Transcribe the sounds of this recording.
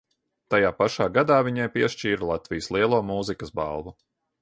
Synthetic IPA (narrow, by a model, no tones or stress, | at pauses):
t̪ajaːpaʃaːɡad̪aːviɲajpiɛʃt͡ʃiːɾalˠat̪vijəslˠiɛlˠuɔmuːzikɐsba̰lˠvu